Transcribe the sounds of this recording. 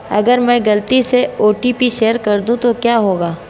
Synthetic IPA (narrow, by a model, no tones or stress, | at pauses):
ɐ̰ɡəɾmɛ̃ːɡɐlt̪iseoːʈipiʃeːəɾkɐɾd̪ũt̪okjaːɦoːɡaː